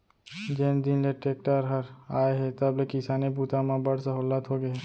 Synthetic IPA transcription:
d͡ʒeːnd̪ɪnleʈeːk̚ʈəɾɦɐɾaːeɦɛt̪ɐblekisaːnebuːt̪amãbɐɽsəɦuːlət̪ɦoɡeɦɛː

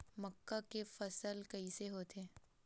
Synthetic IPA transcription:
mɐkːakefɐsəlkɐiseɦoːt̪eː

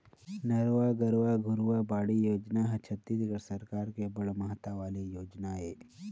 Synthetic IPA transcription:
nɐɾʋaːɡɐɾʋaɡʱuɾuʋabaːɽijoːd͡ʒnaːɦɐt͡ʃʰɐt̪ːid̪iɡɐɭsɐɾkaːɾkebɐɭɐmɐɦɐt̪ːaʋaːlijoːd͡ʒnaːjeː

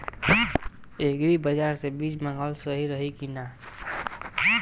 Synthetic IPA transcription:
eɡɾibəd͡ʒaɾsebit͡ʃmə̃ŋɡəlsəɦiɾəɦikina

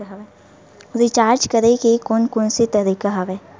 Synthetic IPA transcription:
ɾit͡ʃaːɾd͡ʒkɐɾeɡekonkʊnsit̪ɐɾiːkaɦɐʋeː

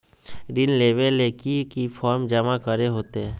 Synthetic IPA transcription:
ɾɪnleːʋeleːkikifʰɔːɾmd͡ʒəmakəɾeɦoːt̪eɦɛ̃ː

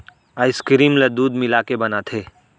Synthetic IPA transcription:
aːɪskɾiːmled̪uːd̪mɪlaːkebɐnat̪ʰeː

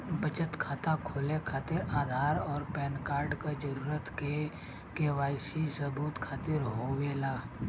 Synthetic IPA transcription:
bət͡ʃət̪kʰaːt̪akʰoːlekʰaːt̪ɪɾaːd̪ʱaːɾɔːɾpɛːnkaːɾɖkad͡ʒəɾuːɾət̪ke | keʋaːɪsisəbuːt̪kʰaːt̪ɪɾɦoweːlaː

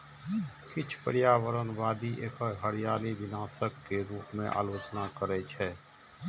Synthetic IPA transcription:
kɪt͡ʃʰpəɾɪjaːʋəɾənʋaːd̪iʔeːkəɦəɾijaːliʋɪnaːsəkːeɾuːpmẽʔa̰ːloːt͡ʃnakəɾɛt͡ʃʰɛː

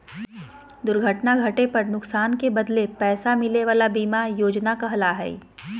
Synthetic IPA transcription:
d̪ʊɾɡʱəʈnaɡʱɐʈepɐɾnʊksaːnkebɐd̪lepɛːsamɪleʋaːlabiːmajoːd͡ʒnakaɦɐlaɦɛ̰ː

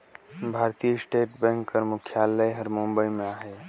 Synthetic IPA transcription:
bʱaɾt̪isʈeʈbɛ̃ŋkːəɾmukʰjaləjɦəɾmumbəjmeaɦɛ

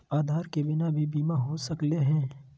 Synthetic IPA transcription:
aːd̪ʱaːɾkebɪnabʱibiːmaɦosɐkleɦɛ̃ː

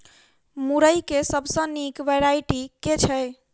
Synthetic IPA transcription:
muɾəjkesəbʱsə̃nikʋeɾaiʈiket͡ʃʰə

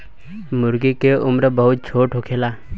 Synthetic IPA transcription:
mʊɾɡikeʔʊmɾbəɦʊt̪̚t͡ʃʰoːʈɦokʰeːlaː

